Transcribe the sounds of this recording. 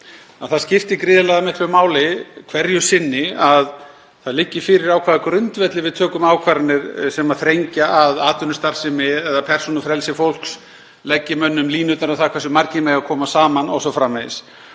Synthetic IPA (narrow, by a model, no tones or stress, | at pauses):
aθaðscɪft̪ɪkɾɪːðɪlɛɣðamɪt̪vɪmaːwlɪkʰvɛɾjʏ̥sɪnːɪað | θaðlɪcːɪfɪːɾɪɾawkʰvaːðakɾʏnt̪vɛt̪lɪvɪðt̪ʰœːkʏmaːwkʰvaːɾanːɪɾsɛmaðθɾejɲcaʔaðaːt̪ʏnʏst̪aɾ̥sɪmɪɛðapʰɛr̥sunʏfɾɛlsɪfowl̥ks | lɛcːɪmœnːʏmliːnʏt̪aɾaθakʰvɛsʏmaɾcɪmɛːjakʰɔːmasaːmanɔ̰ɣs̬ɔfɾamːɛðɪ̰s